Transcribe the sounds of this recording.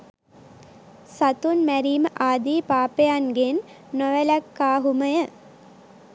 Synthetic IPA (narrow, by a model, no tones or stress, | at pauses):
sat̪unmæɾiːməʔaːd̪iːpaːpejanɡenː | oʋəlækːaːɦuməjə